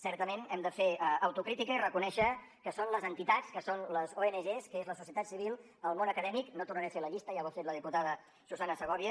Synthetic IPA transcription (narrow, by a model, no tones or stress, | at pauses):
sɛɾt̪əmenɛmd̪əfeəwt̪ukɾit̪ikəirəkunɛʃə | kəsonləzənt̪it̪att͡skəsonləzoenəʒeskəezləsusiət̪at̪siβilˠ | əlˠmonəkəðɛmiknot̪urnəɾefeləʎist̪əjaβotet̪ləðiput̪aðə | suzanəsəɣ̞ɔβiə